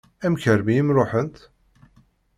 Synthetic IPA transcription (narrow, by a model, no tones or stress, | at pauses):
æmkəɾmiəmɾoħənt̪